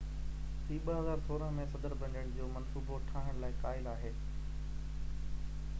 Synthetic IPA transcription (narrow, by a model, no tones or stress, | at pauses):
ɦiːɓɐɦɐzaːɾsoːɾə̃mẽsɐd̪əɾbɐ̃ɳɖəɽd͡ʑoːmɐnsuːboʈʰaːɦɪəɽ̃laːɪkaːɪlaːɦeː